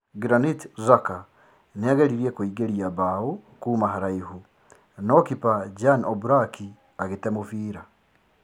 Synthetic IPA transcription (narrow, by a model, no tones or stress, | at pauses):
ɡɾanitzaka | neaɣɛɾiɾiɛkoiɡeɾiaβaokuːmaɦaɾaihu | nɔkipad͡ʒanɔbuɾaki | aɣetɛmofiːɾa